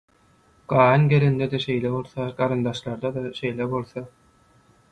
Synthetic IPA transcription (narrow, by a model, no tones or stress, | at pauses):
ɡ̥ɑːjɯnɡeɾend̪ed̪eʃejlebo̞lˠθɑɡɑɾɯnd̪ɑʃlˠɑɾd̪ɑd̪ɑʃe̞jlebo̞lˠθɑ